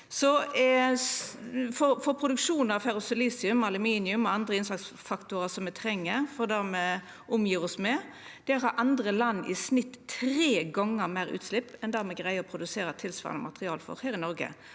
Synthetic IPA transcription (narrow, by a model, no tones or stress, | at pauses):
sɔ | fɔfɔɾpʰɾʊd̪ʉkʂuːnɑʋfɛɾʊsɛliːsɪʉmɑlʉmiːnɪʉmɔɑnd̪ʁəɪnsɑksfɑkt̪ʊɾəsɔmɛt̪ʰɾɛŋːəfɔʁd̪æmɛ | ʔʊmjiːʁɔsmɛ | d̪̥ɛɾhɑɾʔɑnd̪ɾəlɑnːɪ̰snɪt̪ːʰɾeːɡɑŋːəɾmæɪɾʉ̰ːt̪slɪpːɛnd̪æːɾmɛɡʁæɪəɔpʰɾʊd̪ʉseːɾət̪ʰɪlsʋɑ̰ːʁnɔ̰mɑ̰t̪ʁɪɑːlfɔ̰ɾheːɾɪnɔɾɡə̰